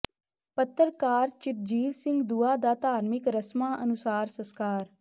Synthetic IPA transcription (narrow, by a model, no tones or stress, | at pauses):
pət̪ːəɾkaːɾt͡ʃɪt̪̚d͡ʒiːʋsɪ̃ŋɡd̪uaːd̪aːt̪aːɾmɪkɾəsmaːʔənʊsaːɾsəskaːɾ